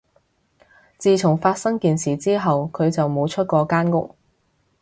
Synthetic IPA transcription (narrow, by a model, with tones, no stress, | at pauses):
t͡siː˨˧t͡sʰʊ˨˩ŋfaː˧t̚sɐ˥ŋkiː˨nsiː˨˩t͡siː˥ɦɐ˨wkʰɵ˨˧ɥt͡sɐ˨wmo˨˧wt͡ʃʰɵ˥t̚kɔː˧kaː˥nkʊ˥k̚